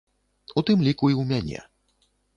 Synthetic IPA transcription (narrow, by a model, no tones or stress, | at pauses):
ut̪ɨmlʲikuiwmʲanʲɛ̰